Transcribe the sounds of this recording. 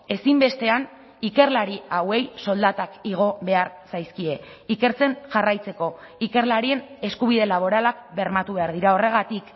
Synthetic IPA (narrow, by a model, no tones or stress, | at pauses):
e̞simbe̞st̪e̞an | ike̞ɾlaɾiawe̞jso̞ld̪at̪akiɣ̞o̞βe̞aɾsajskie̞ | ike̞ɾt͡se̞nʝarajt͡se̞ko̞ | ike̞ɾlaɾie̞ne̞skuβiðe̞laβ̞o̞ɾalakbe̞ɾmat̪uβe̞aɾð̞iɾao̞re̞ɣat̪ik